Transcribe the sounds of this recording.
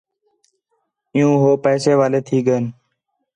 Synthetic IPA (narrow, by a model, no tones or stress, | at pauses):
ɪjũːɦoːpɛːseːʋaːleːt̪ʰiːɠən